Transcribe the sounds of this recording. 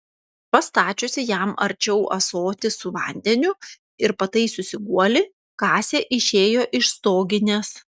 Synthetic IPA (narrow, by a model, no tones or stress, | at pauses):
pɐst̪ɑːt͡ʃʲosʲɪjæmɐ̰ɾʲt͡ʃʲɛʊʔɐ̰soːt̪ʲɪsʊʋɐ̰ˑnʲd̪ʲɛnʲʊ | ɪɾpɐt̪ɐɪsʊsʲɪɡuɔlʲɪ | kɑːsʲeːʔɪʃʲeːjoːʔɪʃst̪oːɡʲɪnʲeːs